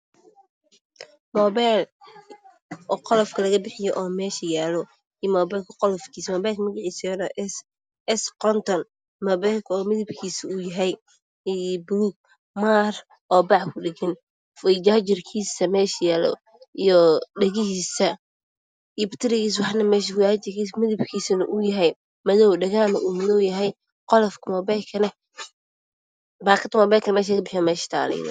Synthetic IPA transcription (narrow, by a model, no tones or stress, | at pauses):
mɔːβal | ɔːqɔlɔfkʰɐlɐɣɐbɪħɪjɔʔɔːmɛːʃɐjaːlɔ | ijmɔːbɛjlkʰɐqɔlɔfkʰiːsmɔːbɛlkʰmɐɣɪʕiːsɐjɔnɔs | ɛsqɔnt̪ʰɔn | mɔːβɛjlkʰɔːmɪðɪbkʰiːsɪʊjɐɦɛj | buːɡ̚ | maːr | ɔːbɑʕkʰʊɖɪɡɪn | fɐd͡ʒaːt͡ʃɪrkʰiːsɐmɛːʃjaːlɔ̰ | ijɔɖɐɣɪɦiːsɐ | ijbɪ̥t̪ʰɪɾɪɣiːs̬wɑħnɐmɛːʃkʊjat͡ʃɪimɪðɪbkʰiːsɐnɐʔʊjɐɦɛj | mɐðɔwɖɐɣaːnɐʔuːmɪðɔwjɐɦɛj | qɔlɔfkʰʊmɔbɛkʰɐnɛ | baːkʰɐt̪ʰmɔbɛːkʰɐnɛmɛːʃ̬akɐbɪħɪjɔmɛːʃt̪ʰa̰ːlɛ̰nɔ̰